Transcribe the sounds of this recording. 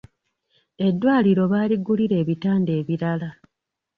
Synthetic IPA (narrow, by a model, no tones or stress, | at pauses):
e̞dːwaːliɾo̞βaːliɡuliɾe̞ːβitaːnde̞ːβiɾala